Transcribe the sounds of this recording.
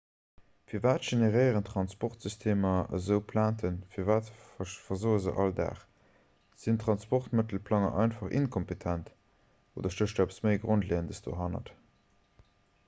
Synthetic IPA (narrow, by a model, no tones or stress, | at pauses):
fiːɐvaːtʒ̥eneʁəɪəʁəntʁɑnspɔχtz̥ystʰeːmɐə̰zəʊpʰlaːntʰənfiːɐvaːtfɐzoːəzə̰ʔɑldæ̰ːχ | z̥intʁɑnspɔχtmətəl̩pʰlɑŋɐ̰ʔɑ̰ɪnfɑχḭnkʰɔmpetʰænt | o̰ːdɐʃtəʃtæapə̥sməɪɡʁontleːəndəsd̥o̰ːɦɑnɐ̰t